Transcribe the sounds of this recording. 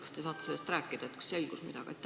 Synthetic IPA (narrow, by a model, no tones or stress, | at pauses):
kɑ̥st̪esɑːt̪ːe̥selːest̪ræːkːˑid̪̥ɑet̪kɑ̥sse̞lɡ̥usmid̪̥ɑɡ̥ɑ̰ḛt̪ːˑ